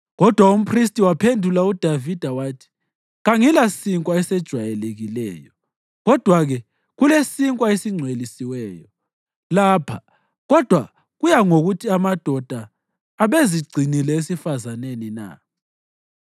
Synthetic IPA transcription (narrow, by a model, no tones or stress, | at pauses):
ɣɔd̥ʱwaum̩pʰʼristʼiwapʰendʱulaud̥ʱavid̥ʱawaːtʰi̥ | ɣaŋilasiŋkʼwaɛsɛd̥ʒ̥ʱwajɛleɣilɛ̰ːjɔ | ɣɔd̥ʱwaɣɛ | ɣulesiŋkʼwaesiŋ͡ǀʱwelisiwɛːjɔ | laːpʰa | ɣɔd̥ʱwa | ɣujaŋoɣutʰiamad̥ʱɔd̥ʱaː | βeziɡ͡ǀʱinilɛesifazanenina̰